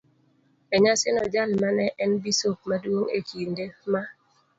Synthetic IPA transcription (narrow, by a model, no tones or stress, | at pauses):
ɛɲasɪnɔd͡ʒalmanɛʔɛnbisok̚madwoŋekindema